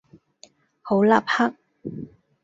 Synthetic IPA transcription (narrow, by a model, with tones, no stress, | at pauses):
ho˨˥wlaː˨p̚ha˥k̚